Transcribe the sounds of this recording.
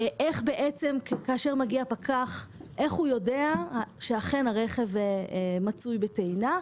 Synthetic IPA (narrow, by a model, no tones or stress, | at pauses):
ʔeχbe̞ʔet͡se̞mkkaːʃeʁmaɡiapakʰaχʔe̞χhujo̞deaʃeaχe̞naʁe̞χe̞vmat͡sujbetejna